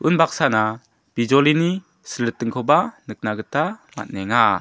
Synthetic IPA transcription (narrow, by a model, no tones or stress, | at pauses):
ɯnbak̚sana | b̥id͡ʒɔlini | səlːɯt̚ːɯŋkʰɔbanɯk̚naɡɯtama̰t̚nɛŋa